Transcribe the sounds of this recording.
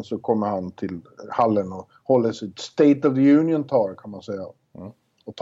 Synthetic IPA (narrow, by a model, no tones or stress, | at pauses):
sɔkʰɔmːəɾhant̪ʰɪl | halːənɔ | hɔlːəʂɪt̪st̪eɪt̪ɔvəjʉːnɪjənt̪ʰɑːɾkʰanmansɛjːa | ɔt̪ʰ